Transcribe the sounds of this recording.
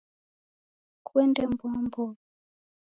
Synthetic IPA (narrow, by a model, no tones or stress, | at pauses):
kwɛndɛmbwambɔ